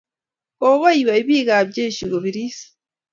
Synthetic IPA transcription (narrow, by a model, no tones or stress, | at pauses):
oβoiβaiβiːɣaβɟeʃiɡoβiɾisḁ